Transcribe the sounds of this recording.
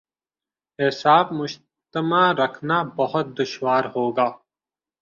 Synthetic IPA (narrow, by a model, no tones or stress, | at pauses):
ɪsaːbmʊd͡ʒ | t̪əmaɾɐkʰnabɐɦʊt̪̚d̪ʊʃwaːɾɦoːɡaː